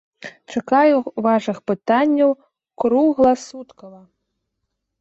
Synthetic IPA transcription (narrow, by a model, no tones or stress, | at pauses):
t͡ʂakajuvaʂɨxpɨt̪anʲːɐw | kɾuɣlˠɐsut̪kɐvɐ